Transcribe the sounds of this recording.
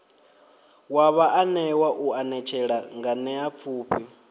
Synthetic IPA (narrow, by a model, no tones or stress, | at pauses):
waβaʔanɛwaʔuanɛt͡ʃʰɛɺaŋɡanɛap̪fʰuːpʰi